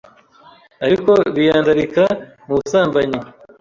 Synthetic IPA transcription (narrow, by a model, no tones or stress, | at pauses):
ɐɾikoβijaːndɐɾika | musaːmbɐɲi